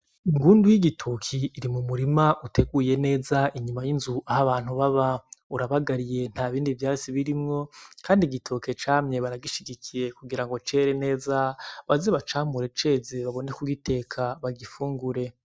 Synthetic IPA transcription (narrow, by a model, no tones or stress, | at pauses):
iŋɡuːndujiɡitʰukʰiːɾimumuɾimaʔutʰe̞ɡuje̞ne̞ːzaʔiɲumajinzuʔahaβaːn̥huβaβauɾaβaɡaɾije̞n̥haβiːndivjaːt͡siβiɾimŋo̞kʰaːndiɡitʰuke̞t͡ʃaːmɲe̞βaɾaɡiʃiɡikʰije̞kuɡiɾaŋɡo̞t͡ʃe̞ɾe̞ne̞ːzaβazeβat͡ʃaːmuɾe̞t͡ʃe̞ːzeβaβo̞ne̞kuɡitʰe̞kʰaβaɡifuːŋɡuɾe̞